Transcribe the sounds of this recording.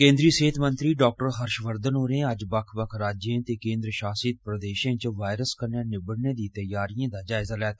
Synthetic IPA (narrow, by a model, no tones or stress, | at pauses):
kẽːnd̪ɾiːseːt̪ʰmənt̪ɾiːɖoːk̚ʈəɾɦəɾʃʋəɾd̪ənoːɾẽːəd͡ʒbəkʰbəkʰɾaːd͡ʒãt̪eːkẽːnd̪ɾəʃaːsiːt̪̚pɾəd̪eːʃãːt͡ʃʋaːɪɾəskəɾnaːnɪbəɽnẽːd̪iːt̪əjaːɾijãːd̪aːd͡ʒaːɪzaːlɛːt̪ʰaː